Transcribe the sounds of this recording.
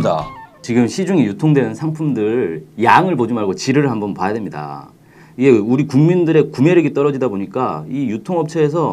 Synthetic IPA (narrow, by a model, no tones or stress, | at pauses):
da̰t͡ɕiɡɯmɕʰid͡ʑuŋijutʰoŋdwe̞nɯnsʰaŋpʰumdɯɭjaŋɯɭpod͡ʑimaɭɡot͡ɕiɾɯɾɯɭɦambʌnpajadwemɲida̰ | iɡe̞uɾikuŋmindɯɾe̞kumeɾɯɡet͈ʌɾʌd͡ʑidaboɲik͈aijutʰoŋʌp̚t͡ɕʰʌes̬ʰʌ